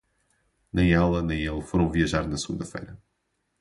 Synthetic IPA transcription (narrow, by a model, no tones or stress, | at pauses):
nɐ̃j̃alˠɐnɐ̃j̃elˠfoɾɐ̃w̃viɐʒaɾnɐsɣṵ̃nd̪ɐfḛjɾɐ